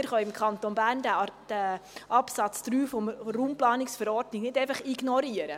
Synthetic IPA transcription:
ɪɾχœɪmkχɑnt̪onbæːɾndd̥æɑpsɑt͡sd̪ɾyːfɔmruːmplɑːnɪksfəɾɔɾdnɪɡnɪdɛɪfɑχiɡnɔɾiəɾə

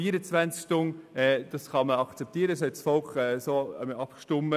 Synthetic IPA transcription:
iəɾət͡svænt͡skʃtʊnɛd̥ɑsχɑməɑkt͡sɛp̚t̪iːəɾəsɛtsfɔlkχɛsoːɛ̰məɑpkʃtʊmːə

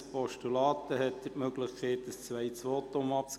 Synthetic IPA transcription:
pɔʃtulɑːt̪əhɛt̪ːətmøɡləχkʰɛɪt̚d̥əst͡sʋæɪt͡sʋoːt̪omɑp̚t͡s

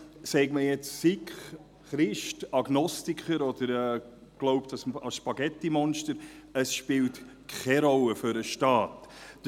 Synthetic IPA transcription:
sɛɪɡməjɛt͡ssikχ | χɾɪʃtɑɡ̥nɔstikχəɾɔd̪̥əɾɛː | ɡ̥loʊptɑsɑsʃpɑɡɛtːimɔnʃtəɾ | əsʃpɪːlt | kχʰɛɾɔlːəfʏɾəʃtɑːt

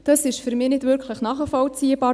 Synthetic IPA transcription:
d̥ɑsɪʃfyɾmɪːnɪdvʏɾkʰləχnɑːχəfɔlt͡siəbɑː

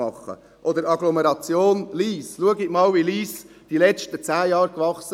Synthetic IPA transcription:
ɑχːə̰ | ʔɔd̪əɾɑɡlɔmɛɾɑt͡sjoːnliːsluəɡɪɡmɑːlʋiliːs | d̥ilɛt͡ʃtət͡sæːjɑːɾkʋɑχs

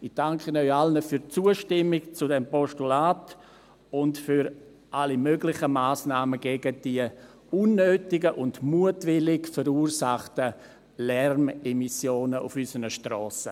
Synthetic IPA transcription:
ɪd̥aŋkʰənœʏalnəfyːɾt͡suəʃtɪmɪkt͡sudɛmpɔʃtulaːt | ʊntfyɾ | ʔalimøɡlɪχəmaːsnaːməɡeɡəd̥iə | unːøːtɪɡəʔʊndmuətvɪlɪkfəɾuːrsaχtə | lɛrmɛmisjoːnəṵfysənəʃtrɔːsə

